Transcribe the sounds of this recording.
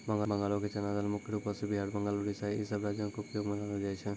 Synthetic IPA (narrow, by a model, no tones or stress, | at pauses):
bə̃ŋɡabə̃ŋɡalõket͡ʃənad̪almʊkʰjɾupəsebʱiɦaɽbə̃ŋɡaloɽisaesəbɾad͡ʒjõkoʊpjoɡmɐnalod͡ʒaːet͡ʃʰe